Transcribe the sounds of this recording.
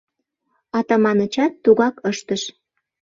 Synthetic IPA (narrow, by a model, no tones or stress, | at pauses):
ɑt̪ɑmɑnət͡ɕɑt̪ːuɣɑkəʃt̪əʃ